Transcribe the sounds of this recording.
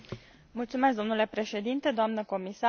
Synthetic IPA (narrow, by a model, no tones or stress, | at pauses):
mult̪sumesk̚d̪o̞mnule̞pɾe̞ʃed̪int̪e̞d̪oamnəko̞misa